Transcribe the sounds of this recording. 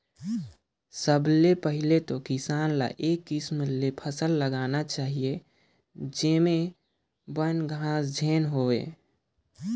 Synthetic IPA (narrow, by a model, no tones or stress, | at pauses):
səblepəɦɪlet̪okisaːnla̰ʔeːkːɪsmlepʰəsəlːəɡaːnat͡ʃaːɦije | d͡ʒeme | bənɡʱãːsd͡ʒʱeːnɦoḛ